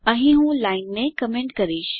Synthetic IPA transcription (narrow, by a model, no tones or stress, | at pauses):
ə̃ɦĩɦũːlaɪnːekəmẽɳʈkəɾiːʃ